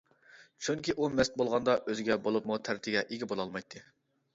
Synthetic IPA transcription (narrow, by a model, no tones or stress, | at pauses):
t͡ʃʰyŋkʲiʔumɛst̪̚bolˠʁɑnd̪ɑʔøzɪɡʲɛbolˠupmut̪ʰæɾt̪ʰɪɡʲɛʔeɡʲibolˠɑlˠmɑjt̪ʰːɨ